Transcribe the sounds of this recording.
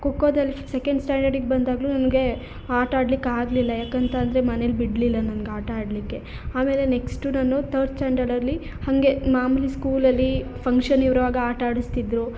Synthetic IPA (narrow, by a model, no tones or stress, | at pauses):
kokːoːd̪ɐlːisekeɳɖsʈaːɳɖɐɾɖikbɐnd̪aːɡluːnɐnɐɡe̞ | aːɾʈaːɖlikːaːɡlilːɐjaːkɐnt̪ʰɐːnd̪ɐɾe̞mɐnelubiɽlilːɐnɐnɐɡeaːʈɐaːɖlikːe̞ | aːme̞ːle̞ne̞ksʈunaːnːut̪ʰɐɾɖsʈaːɳɖɐɾɖɐlːi | hɐŋɡe̞maːmliskuːlɐlːipʰɐŋkʂɐniʋɐɾɐʋaːɡɐaːɾʈaːɽist̪id̪ɾu